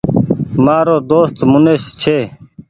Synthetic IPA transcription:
maːɾoːd̪oːst̪mʊneːʃt͡ʃʰeː

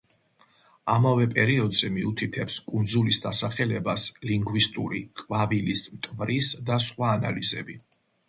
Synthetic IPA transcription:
amavɛpʼɛɾiɔd̪zɛmiut̪ʰit̪ʰɛpskʼund̪zulisd̪asaχɛlɛbasliŋɡwist̪ʼṵɾiqʼvavilismt̪ʼvɾisd̪asχwaːna̰lizɛ̰bi

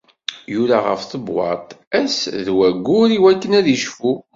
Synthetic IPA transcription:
jʊɾaʁə̰fθəbwɑ̰t̪ˤæsðwæɡːʊɾiwækːənæðiʃfu

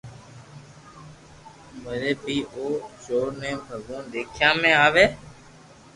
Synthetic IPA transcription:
məɾeːbiːʔoːd͡ʒoːɾnɛ̃ːbʱəɡõːd̪eːkʰjãːmẽːaːʋeː

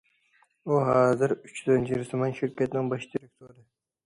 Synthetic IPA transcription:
oɦɑːzɪɾʊt͡ʃjyzɪnt͡ʃʰiɾɪsʰomɑnʃɪɾkʲat̪nɪŋbɑʃd̪iɾek̚ʲt̪ʰoɾɪ

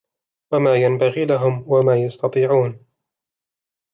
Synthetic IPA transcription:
wamaːjambaɣiːlaɦʊmwamaːjɑst̪ɑt̪ˤiːʕuːn

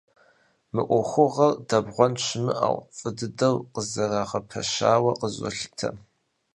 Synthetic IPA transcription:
mɨʔʷʊχʷʊʁɐrdɐbʁʷɔnt͡ʃʰmɨʔa̰wʷfʼɨdɨdɐwqəzɐrɐʁɐpʰɐ̰ʃaːwɐqəzʷʼʊ̰ɬtʰɐ̰

